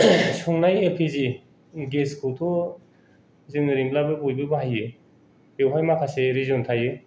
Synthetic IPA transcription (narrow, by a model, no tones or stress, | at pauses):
sɔŋnajepʰizi | ɡeskʰutʰɔ | zeŋnɯɾimlabɯbɔjbɯbaɦajɯ | bewɦajmakʰaseɾizɔntʰajɯ